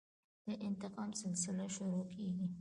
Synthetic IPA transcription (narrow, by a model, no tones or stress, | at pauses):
d̪̥əʔɪnt̪ɪqɑmsɪlsɪlaʃʊɾokʰeɡi